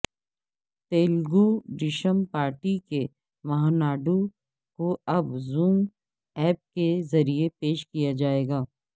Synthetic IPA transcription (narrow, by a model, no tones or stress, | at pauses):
t̪eːlɡuɖɪʃəmpaːɾʈike | mɐɦãːnaːɖu | koɐbzũːm | ɛːp̚kezɐɾiepeːʃkijad͡ʒaːeːɡaː